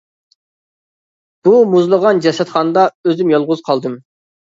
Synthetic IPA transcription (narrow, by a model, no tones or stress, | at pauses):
b̥umuzlˠəʁɑnd͡ʒɛsɛt̪χɑnɨd̪ɑøzɪmjɑlˠʁʊzqʰɑlˠd̪ɨm